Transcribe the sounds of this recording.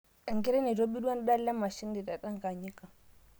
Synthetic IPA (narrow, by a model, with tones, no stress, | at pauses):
a˨ŋki˦ɾe˦ne˨do˦bi˦du˦wa˦n˦ɗa˦lːa˦mːa˨ʃi˦ndi˨ɗa˨ɗa˦ŋka˨ɲi˦ka˨